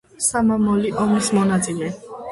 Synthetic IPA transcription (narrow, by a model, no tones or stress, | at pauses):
samamɔliʔɔmismɔnat̪sʼilɛ